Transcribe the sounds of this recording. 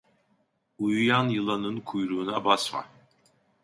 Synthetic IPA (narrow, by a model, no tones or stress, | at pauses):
ujujanjɯlˠanɯnkʰujɾuːnabasma̰